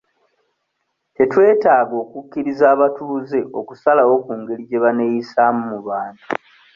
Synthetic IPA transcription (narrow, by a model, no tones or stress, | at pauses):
te̞twe̞ːtaːɡo̞ːkukːiɾizaːβatuze̞ʔo̞kusalawo̞kuːŋɡe̞liɟe̞βane̞jisaːmumuβaːntu